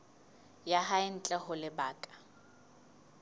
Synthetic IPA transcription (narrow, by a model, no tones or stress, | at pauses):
jaɦaɪn̩t͡ɬʼɛɦʊlɪbaːkʼḁ